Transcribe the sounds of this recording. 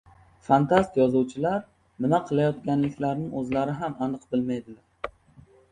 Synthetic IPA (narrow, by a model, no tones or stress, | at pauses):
fant̪ʰast̪jɒzuwt͡ʃʰɪlaɾ | mɪnaqʰɨlˠajɒt̪kʲanlɪkʲlaɾnɪɵzlaɾɪɦamanɨqbɪlmajd̪ɪlaɾ